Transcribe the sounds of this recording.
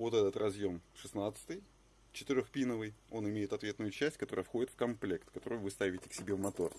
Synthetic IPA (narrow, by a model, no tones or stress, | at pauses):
vo̞t̪ɛt̪ət̪rɐzjo̞mʂɨsnat̪sɨ̥t̪ɨj | t͡ɕɪ̥t̪ɨɾʲoxpʲinəvɨjo̞nɪmʲejɪt̪ɐt̪vʲe̞t̪nʊjʊt͡ɕæsʲtʲkɐt̪o̞ɾəjəfxo̞dʲɪt̪fkɐmplʲe̞kt̪kɐt̪o̞ɾojʊvɨst̪avʲɪtʲɪksʲɪbʲevmɐt̪o̞r